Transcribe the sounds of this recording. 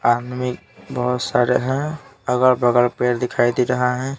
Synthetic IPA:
ad̪mik̚ | bəɦʊt̪saɾeɦɛ̃əɡəɾbəɡəɾpeɾd̪ɪkʰajd̪iɾəɦaɦɛ̃

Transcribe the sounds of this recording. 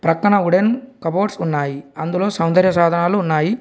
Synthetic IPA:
pɾɐkːɐɳɐuɽenkɐboːʈsunːaːjiɐnd̪ulo̞ːsɐwnd̪ɐɾjɐsaːd̪ʱɐnaːluːnːaːji

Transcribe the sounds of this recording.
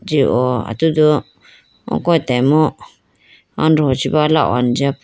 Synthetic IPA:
d͡ʒiʔoa̰t̪ud̪u | õ̰kõĩt̪emõ | a̰nɾot͡ʃiβala̰ʔo̰and͡ʒap

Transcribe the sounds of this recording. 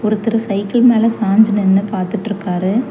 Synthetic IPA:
ɔɾɯt̪ːɪɾɐsɐɪkːɐlmeːlɐsaːɲd͡ʒɐnɛnːɐpaːɾt̪ɯʈːɪɾɯkːaːɾɯ

